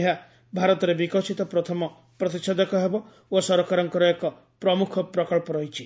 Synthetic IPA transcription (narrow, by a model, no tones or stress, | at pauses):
ɦa | bʱaɾɔt̪ɔɾebikɔsʰit̪ɔpɾɔt̪ʰɔmɔ | pɾɔt̪iksʰɔd̪ɔkɔɦebɔ | osɔɾɔkaɾɔŋkɔɾɔekɔ | pɾɔmukʰɔpɾɔkɔɭpɔɾɔɦit͡ʃʰi